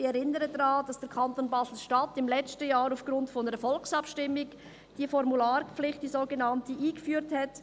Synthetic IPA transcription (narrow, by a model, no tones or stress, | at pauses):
ɛɾɪnəɾədɾɑːd̥ɑsd̥əɾkʰɑntoːnbɑːsl̩ʃtɑtɪmlɛt͡stəjaːɾaʊfɡ̥ɾʊntfɔnəɾəfɔlksɑpʃtɪmːɪɡ | d̥iːfɔɾmulaːɾp͡flɪχtd̥izoːɡenɑntəʔiːɡ̥əfyːɾthɛt